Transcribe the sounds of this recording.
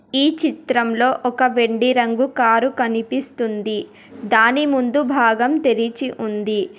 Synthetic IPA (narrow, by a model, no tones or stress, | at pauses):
iːt͡ʃit̪ɾɐmlo̞ːʔɔkɐʋeɳɖiɾɐŋɡukaːɾukɐnipist̪und̪i | d̪aːnimund̪ubʱaːɡɐmt̪eɾit͡ʃiʔund̪i